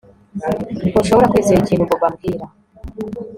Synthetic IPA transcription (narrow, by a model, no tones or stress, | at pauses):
koʃoβoɾakwiːziɾiciːnhuboβamɡiɾa